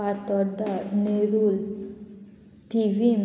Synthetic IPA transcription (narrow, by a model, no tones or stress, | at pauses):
at̪ɔɖaneɾul | tiʋim